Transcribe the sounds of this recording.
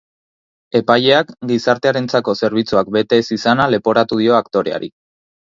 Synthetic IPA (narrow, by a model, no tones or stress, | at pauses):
e̞paje̞akɡisaɾt̪e̞aɾe̞nt͡sako̞se̞ɾβ̞it͡suak̚be̞t̪e̞ːsisanale̞po̞ɾat̪uðio̞akt̪o̞ɾe̞̰a̰ɾḭ